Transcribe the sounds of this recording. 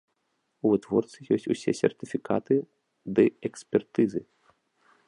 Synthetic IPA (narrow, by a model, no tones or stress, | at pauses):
uvɨt̪ʋɔrt̪sijɔsʲtʲṵsʲɛsʲɛ̰rt̪ɨfʲikat̪ɨ | d̪ɨɛkspʲɛrt̪ɨzɨ